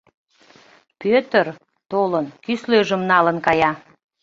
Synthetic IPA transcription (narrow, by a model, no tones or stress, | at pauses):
pøt̪ər | t̪olənk̪ysløʒəmnɑlənkɑjɑ